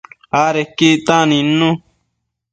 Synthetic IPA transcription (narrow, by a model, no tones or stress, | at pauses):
aːɾekiːt̪ãːninːũ